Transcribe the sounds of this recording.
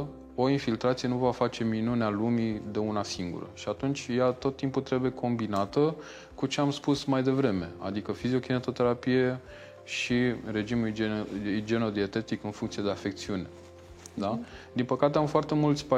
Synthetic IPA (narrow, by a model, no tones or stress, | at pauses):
o̞infilt̪ɾat̪sije̞nuvafat͡ʃe̞minunealumid̪e̞unasiŋɡṵɾə̰ʃiat̪unt͡ʃʲjat̪o̞t̪ːimput̪ɾe̞buje̞kʰo̞mbinat̪ə | kut͡ʃe̞amspusmajd̪e̞vɾe̞me̞̰a̰d̪ikəfizio̞kinet̪o̞t̪e̞ɾapije̞ | ʃiɾe̞d͡ʒimul | d͡ʒe̞no̞d̪ie̞t̪e̞t̪ikɨnfuŋkt̪sie̞d̪eafe̞k̚t̪siune̞ | d̪ad̪inpəkat̪eamfoart̪e̞mult̪sʲpa